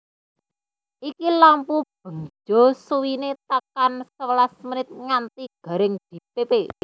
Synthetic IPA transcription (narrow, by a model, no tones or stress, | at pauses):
ʔikilampub̥ə̤ŋd͡ʒɔ̤suwinet̪akansəwəlasməɾɪt̪̚ŋant̪iɡ̥a̤ɾɪŋd̪̥i̤pepe